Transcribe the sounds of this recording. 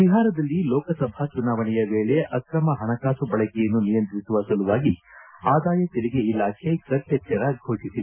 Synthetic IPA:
ʋiɦaːɾɐd̪ɐlːilɔːkɐsɐbʱɐt͡ʃunaːʋɐɳɛjɐʋeːɭeʔɐkɾɐmɐɦɐɳɐkaːsubɐɭɐkɛjɐnːunijɐnt̪ɾisuʋɐsɐluʋaːɡiaːd̪aːjɐt̪eɾiɡeilaːkʰekɐt̪jɛt͡ʃːɐɾɐɡʱoːʂisiʋe

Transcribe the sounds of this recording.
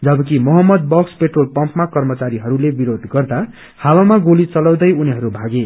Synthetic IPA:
d͡zʌbʌk̬imʌɦʌmːʌd̪̚bʌkspeʈrolpʌmpmakʌrmʌt͡saɾiɦʌɾulebiɾod̪ɡʌrd̪a | hawamaɡolit͡sʌlʌw̃d̪ʌjuniɦʌɾubʱaɡe

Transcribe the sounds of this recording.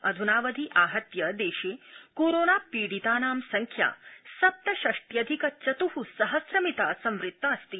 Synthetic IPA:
ɐd̪ʱunaːʋɐd̪ʱiʔaːɦɐt̪jɐd̪eːʃeːkoːɾoːnaːpiːɽit̪aːnaːmsɐŋkʰja̰ːsɐp̚t̪ɐʃɐʂʈ̪jɐd̪ʱikɐt͡ʃɐt̪uhusɐɦɐsɾɐmit̪aːsɐmʋɾɪt̪ːaːst̪i

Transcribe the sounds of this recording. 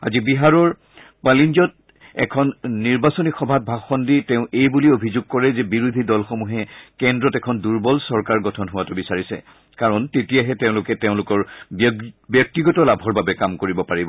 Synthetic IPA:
a̰zibiɦaɹɔɹ | palinɔt̚ | ɛ̰kʰɔnːiɹbasonixɔbʱat̚bʱaxɔnditɛʊ̃ʔejbuliobʱizʊɡ̚kɔɹɛzɛbiɹudʱidɔlxomuɦɛkɛndɹɔtɛkʰɔnduɹbɔlsɔɹkaɹɡɔtʰɔnɦʊwatubisaɹisɛ̰ | kaɹɔntetijaɦɛteʊ̃lʊkɛteʊ̃lʊkɔɹ | bjɔk̚tiɡɔtɔlabʱɔɹbabɛkamkoɹibɔpaɹibɔ

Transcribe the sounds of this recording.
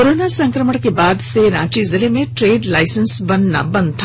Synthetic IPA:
koɾoːnasɐ̃ŋkɾəməɽ̃kebaːd̪seɾãːt͡ʃizɪlemẽʈɾeːɖlaːɪsənsbɐnːa̰bɐ̃nd̪̚t̪ʰa

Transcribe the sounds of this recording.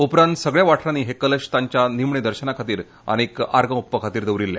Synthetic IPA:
upɾant̪səɡɭjaʋaʈʰɾaniːɦekələɕt̪aɲt͡ɕjanimɳed̪əɾɕənakʰat̪iːɾ | ə̰ñika̰ɾɡə̃upːəkʰat̪iːɾd̪əʋɾilːja̰

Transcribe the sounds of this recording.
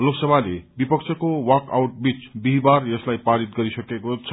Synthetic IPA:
loksʌbʱalebipʌkt͡sʰʌkowʌka̰wʈ̚bit͡sbiɦbarjʌslajpaɾit̪̚ɡʌɾisʌkekot͡sʰʌ

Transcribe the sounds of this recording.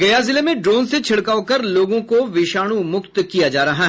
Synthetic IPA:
ɡɐjazɪlemẽɖɾoːnset͡ʃʰɪɽkaːokɐɾloːɡõkoʋɪʃaːɽ̃umʊkt̪kijad͡ʒaːɾɐɦaɦ

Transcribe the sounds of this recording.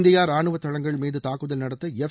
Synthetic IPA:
nd̪ɐjaːɾaːɳɯʋɐt̪ːɐɭɐŋɡɐɭmiːðɯt̪aːkːɐðɐlnɐɽɐt̪ːɐɛf

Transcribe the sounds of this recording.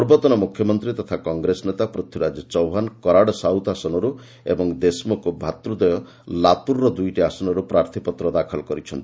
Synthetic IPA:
ɾbɔt̪ɔnɔmukʰjɔmɔnt̪ɾit̪ɔt̪ʰakɔŋɡɾesɔnet̪apɾut̪ʰiɾad͡ʒɔt͡ʃɔwɦankɔɾaɽɔsawt̪asɔnɔɾu | ḛbɔŋd̪esmokubʱat̪ɾud̪ɔjɔ | latuɾːɔd̪ujʈiasɔnɔɾupɾaɾt̪ʰipɔt̪ɾɔd̪akʰɔlkɔɾit͡ʃʰɔnt̪i

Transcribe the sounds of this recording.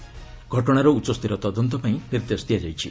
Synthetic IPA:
ɡʱɔʈɔɽ̃aɾɔut͡ʃɔst̪iɾɔt̪ɔd̪ɔnt̪ɔpaĩniɾt̪est̪ijad͡ʒajt͡ʃʰi

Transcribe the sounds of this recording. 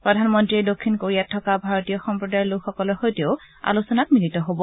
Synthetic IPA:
pɹɔdʱanmɔntɹiedokʰːinkoɹijatʰːɔkabʱaɹotijɔxɔmpɹɔdajɔlukxɔkɔlɔɹxojtioʊ | a̰lusɔnak̚minitɔɦobɔ

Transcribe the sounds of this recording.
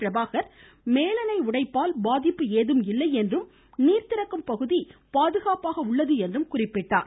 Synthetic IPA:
ɾɐbaːɣɐɾ | meːlɐnɐɪʊɽɐɪpːaːlbaːðɪpːɯeːðɯmɪlːɐɪɛndrɯm | niːɾt̪ɪɾɐkːɯmpɐɣɯðipaːðɯɣaːpaːɣɐʊɭːɐðɯɛndrɯmkʊrɪpːɪʈːaːɾ

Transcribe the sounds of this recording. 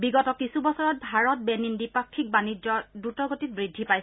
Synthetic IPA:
biɡɔtɔkisubɔsɔɹɔt̚bʱaɹɔt̚bɛnindipakʰːik̚banid͡ʒɔdutɔɡotit̚bɹidʱːipaj

